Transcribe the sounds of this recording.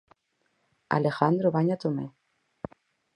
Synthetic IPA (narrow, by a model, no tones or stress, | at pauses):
a̰lexand̪ɾoβaɲat̪ome